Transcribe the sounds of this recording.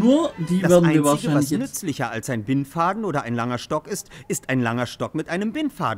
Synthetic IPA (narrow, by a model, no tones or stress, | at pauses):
nuːɐdiːdaveɐdnnaɪiɐnvaːɐɪʃɡəaɪvalsnʏt͡slɪçɐalsaɪnbɪnfaːdn̩ʔoːdɐʔaɪnlaŋɐʃtɔkɪstʔɪstaɪnlaŋɐʃtɔkmɪtʔaɪnəmbɪnfa̰ːdn̩